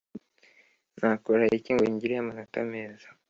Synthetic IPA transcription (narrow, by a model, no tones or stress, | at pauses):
nakoɾajeciːŋɡoɲɟiɾejamanatameza